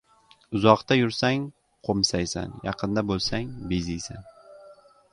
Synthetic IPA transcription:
ʊzɒqt̪ajʊɾsaŋ | qʰomsajsa̰njɑqʰɨnd̪abolˠsaŋbezijsa̰n

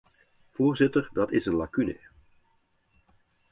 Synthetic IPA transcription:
v̥oːɹzɪtəɹdɑtɪzənlakynə̰

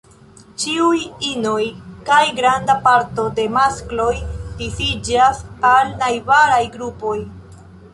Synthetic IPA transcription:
t͡ʃiujino̞jkajɡɾandapaɾto̞de̞masklo̞jdifid͡ʒasalnajbaɾajɡɾupo̞j

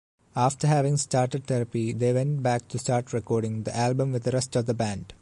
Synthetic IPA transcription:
aːfʈəɾɦæʋɪ̃ŋsʈaːɾʈeɖ̚t̪ɛɾəpid̪eːʋɛ̃ɳʈ̚bæːk̚ʈusʈaːɾʈɾekɔːɾɖɪ̃ŋd̪iʔælbə̃mʋɪd̪əɾɛsʈɔʋd̪əbæ̃ɳɖ

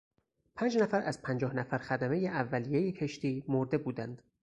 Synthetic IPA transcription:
pʰæːnd͡ʒnæfæɾæz̥pʰænd͡ʒɒːhnæfæɾxæd̪æme̞jeʔævːælijejecʰe̞ʃt̪iːmoɾd̪e̞buːd̪ænd̪̥

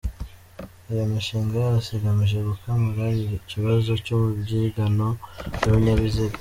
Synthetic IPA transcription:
ijomiʃiːŋɡajasiɡamiʒe̞ɡukamuɾaiciβazo̞cumubɟiɡano̞noβiɲaβiziɡ

